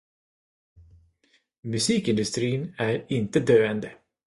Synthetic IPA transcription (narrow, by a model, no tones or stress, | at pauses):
mɵsiːkɪnd̪ɵst̪ɾiːnæɾɪnt̪əd̪øːɛnd̪ə